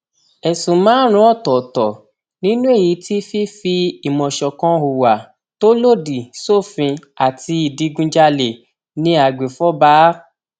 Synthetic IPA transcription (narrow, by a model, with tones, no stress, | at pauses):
ɛ˨sũ˨mãː˨˦ɾ̃ũ˧˦ɔ˦˨tɔ˨tɔ˨ | nĩ˦nũ˦e˦˨ji˨˦ti˦fi˦fi˧i˨mɔ̃˨ʃɔ˨kɔ̃˨˧u˨wa˨ | to˦lo˦˨di˨so˦˨fĩ˧ | a˨ti˧i˨di˨˧˦ɡũ˧d͡ʒa˧le˨ | nĩ˦a˦˨ɡ͡be˨fɔ˦baː˨˦